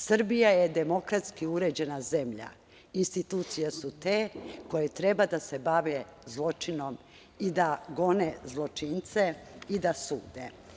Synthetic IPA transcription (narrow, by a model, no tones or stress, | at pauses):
sr̩bijajed̪emo̞kɾat̪skiuɾeːd͡ʑe̞naze̞mʎa̰ | inst̪it̪uːt̪sijesut̪eːko̞jet̪ɾe̞bad̪asebaʋezlˠo̞t͡ʃino̞m | id̪aɡo̞nezlˠo̞t͡ʃint̪se̞id̪asuːd̪e